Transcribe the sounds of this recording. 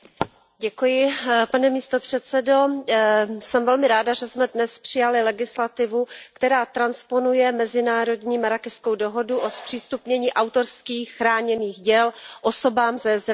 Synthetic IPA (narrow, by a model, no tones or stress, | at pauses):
ɟɛkujɪpanɛmiːst̪opr̝̥ɛt̪t͡sɛdo̞ | sɛmvɛlmɪɾaːdaʒɛsmɛdnɛspr̝̥ɪjalɪlɛɡɪslat̪ɪvukt̪ɛɾaːt̪ɾanspo̞nujɛmɛzɪnaːɾo̞dɲiːmaɾakɛskowdo̞ɦo̞duʔospr̥iːst̪upɲɛɲiːʔawt̪o̞ɾskiːxxːɾaːɲɛniːxɟɛlʔo̞so̞baːmzɛzɾ